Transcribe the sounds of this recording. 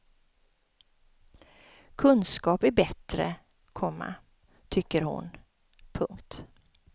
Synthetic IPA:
kʰɵnskɑːpæɾbɛt̪ɾə̰ | kʰɔmːa̰ | t̪ʰʏkːəɾhʊ̰n | pʰɵŋkt̪

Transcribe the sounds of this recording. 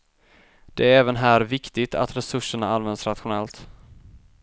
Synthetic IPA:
d̪̥ɛæɾɛːvənɦæːɾvɪkt̪ɪɡt̪ʰa̰t̪ɾɛsɵʂːəɳaanvɛnd̪sɾat̪ɧʊnɛlt̪

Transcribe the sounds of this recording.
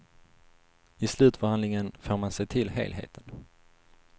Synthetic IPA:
ɪslʉ̟ːt̪fœhand̪lɪŋənfoːɾmansɛjt̪ʰɪlɦḛːlɦḛːt̪ʰən

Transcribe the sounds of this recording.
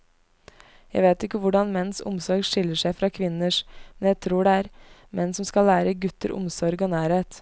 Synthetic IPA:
jæɪʋeːt̪ɪkːəʋʊɖɑnmɛnːn̩sʊ̰msɔɾɡʂɪlːəʂæɪfɾɑkʰʋɪnːəʂmmɛnjæɪt̪ʰɾuːɖɛæːɾmɛnːsɔmskɑlæːɾəɡʉt̪əɾʔʊ̰msɔɾɡoːnæːɾheːt̪

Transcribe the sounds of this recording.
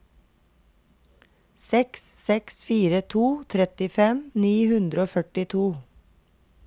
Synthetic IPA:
sɛkssɛksfiːɾət̪ʰuːt̪ʰɾɛt̪ɪfɛmniːhʉnd̪ɾəoːfœʈɪt̪ʰuː

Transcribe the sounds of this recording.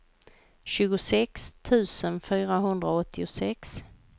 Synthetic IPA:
ɕʉ̟ːɡʊsɛkst̪ʰʉ̟ːsənfyːɾaɦɵnd̪ɾaɔt̪ʰːɪʊsɛks

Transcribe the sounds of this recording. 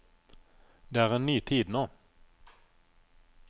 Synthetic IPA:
d̪ɛæɾɛnːyːt̪ʰiːd̪no

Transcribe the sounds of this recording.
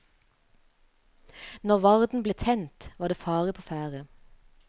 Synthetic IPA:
nɔʁʋɑʁd̪n̩bleːt̪ʰɛnt̪ʋɑːd̪eːfɑːʁəpʰoːfæːʁə

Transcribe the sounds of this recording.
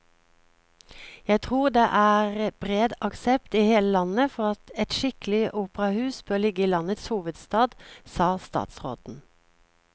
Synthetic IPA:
jæɪt̪ʰʁuːʁd̪eːʔæːʁb̥ʁeːd̪ɑksɛpt̪iːheːləlɑnəfɔʁɑt̪ɛt̪ʃɪkəl̩ɪʔuːpəʁɑhʉːsbʰoːlɪɡəiːlɑnət̪shuːʋəd̪st̪ɑːd̪sɑːst̪ɑ̰ːt̪sʁo̰ːd̪n̩

